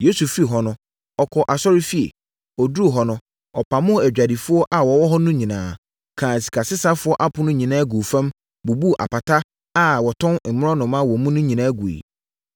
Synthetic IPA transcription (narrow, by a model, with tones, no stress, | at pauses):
je˦su˨fi˦˨ɦɔ˨nʊ̃˦ | ɔ˨kʰɔ˨ʔa˨sɔ˦ɾɪ˦fi˦ḛ˨ | ɔ˨du˦o˨ɦɔ˨nʊ̃˦ | ɔ˨pʰa˨mʊ̃˦æ˨d͡ʑᶣa˨di˨fʊ˦ɔ˦ʔa˨wɔ˨wɔ˦ɦɔ˦nʊ̃˦ɲĩ˨nã̰ː˨ | kʰãː˨si̥˨kʰa˨sɪ˦sa˦fʊ˦ɔ˦ʔa˦pʰʊ̃˨˦nʊ̃˦ɲĩ˨nãː˦ɡu˨fã˦m | bu˨bu˦˨ʔa̰˨pa˨tʰa˦ | a˦wɔ˨tʰɔ̃˦n˨m̩˨mɪ̃˦ɔ̃˦nʊ̃˨mã˦wɔ˨mũ˦nʊ̃˦ɲĩ˨nãː˦ɡu˨ḭ˨